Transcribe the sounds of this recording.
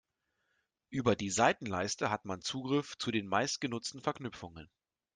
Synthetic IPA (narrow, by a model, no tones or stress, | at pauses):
ʔyːbɐdiːzaɪtn̩laɪstəɦatmant͡suːɡʁɪft͡sudeːnmaɪst̚ɡ̥ənʊt͡stn̩fɛɐknʏfʊŋə̰n